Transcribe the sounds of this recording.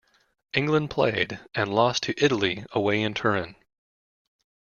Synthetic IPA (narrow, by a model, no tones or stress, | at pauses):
ʔɪ̃ŋɡlə̃npʰl̥ḛɪɾɨ̃nlɔstʰɨʔɪɾl̩ˠiəweɪɨ̃ntʰɜ˞ɨ̃n